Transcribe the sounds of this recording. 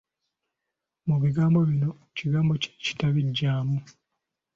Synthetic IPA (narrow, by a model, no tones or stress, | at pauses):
muβiɡaːmbo̞βino̞ | ciɡaːmbo̞ce̥ci̥taβiɟːaːmu